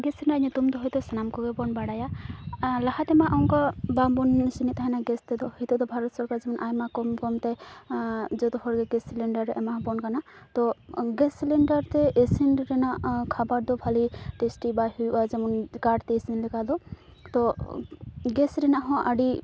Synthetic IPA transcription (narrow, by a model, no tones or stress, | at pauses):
ɡɛsɾɛnanɛt̪umt̪ɔɦɔjt̪ɔsanamkɔɡɛbɔnbaɽaja | laɦat̪ɛmaʔawŋkabambɔnsinit̪aɦanaɡɛst̪ɛd̪ɔhit̪ɔd̪ɔbʱaɾɔt̪sɔɾkaɾzɛmɔnʔajmakɔmkɔmt̪ɛ | d͡ʒɔt̪ɔɦɔɾɡɛɡɛsilɛɳɖaɾːɛʔɛmaɦbɔnkanat̪ɔɡɛsileɳɖaɾt̪ɛesinɾɛnakʰabaʈd̪ɔbʱaliʈesʈibaɦujazamɔnkaɖt̪ɛːsinlikad̪ɔ | t̪ɔ | ɡɛsɾɛnaɦɔ̃ʔaɖi